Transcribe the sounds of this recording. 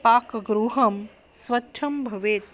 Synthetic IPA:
paːkɡɾuɦɐm | sʋɐtːʃʰɐmbʱɐʋeːt̪̚

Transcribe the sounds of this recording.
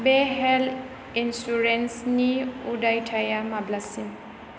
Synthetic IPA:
bɛɦɛl | insuɹensniudajtʰajamablasin

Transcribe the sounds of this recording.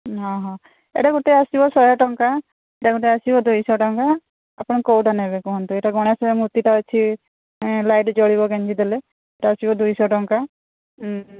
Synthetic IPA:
ɦɔ̃ɦɔ̃ | ḛʈaɡoʈeasibɔsɔjɔʈɔŋka | eʈaɡoʈeasibɔd̪ujsɔʈɔŋkaː | pɔɽ̃kɔwʈanɛbekɔɦɔnt̪ueʈaɡɔɽ̃esemut̪iʈaɔt͡ʃʰi | lajʈd͡ʒɔɽibɔkɛnt͡ʃʰid̪ele | eʈaːsibɔd̪ujsɔʈɔŋka

